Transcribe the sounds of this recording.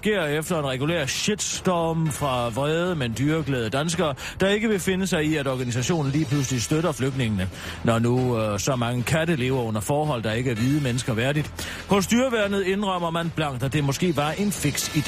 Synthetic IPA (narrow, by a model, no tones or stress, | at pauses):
ɡ̥e̝ɐ̰efd̥ɐe̝nʁɛɡ̥ulḛːɐ̰ɕed̥sd̥ɒːmfʁɑ̈ʋʁɛːð̞ˠəmend̥yːɐɡ̥lɛːð̞ˠəd̥ænsɡ̥ɐː | d̥ɑ̈e̝ɡ̥əʋe̝fe̝nəsɑ̈ɪiæɾɒːɡ̥ænis̬æɕo̝̰ːn̩liːpʰlus̬əlisd̥øɾɐfløɡ̥dne̝ŋənə | nɒnusɒ̽mɑ̈ŋəkʰæɾəle̝̰ːʊɐɔ̽n̰ɐfɒːɦɒ̽l̰d̥ɑ̈e̝ɡ̥əæɐʋið̞ˠəmenəsɡ̥ɐʋæɐdid̥ | hɔ̽sd̥yːɐʋæɐnð̞̩ˠe̝nʁɶm̰ɐmænb̥lɑ̈ŋ̰d̥æd̥e̝mɒ̽sɡ̥e̝̰ːʋɑ̈ʔe̝nfeɡ̥sid̥e